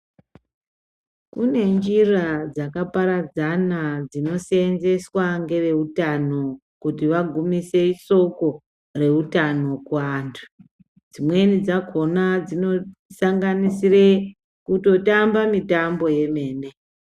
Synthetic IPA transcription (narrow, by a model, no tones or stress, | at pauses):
kune̞nd͡ʒirad͡zakapaɾad͡zanad͡zino̞senze̞swaŋɡe̞re̞utano̞ | kutiʋaɡʱumise̞iso̞ko̞ | re̞utano̞kuantʰu̥ | d͡zimwe̞nid͡zako̞nad͡zino̞saŋɡanisire | kuto̞tambamitambo̞je̞me̞ːne̞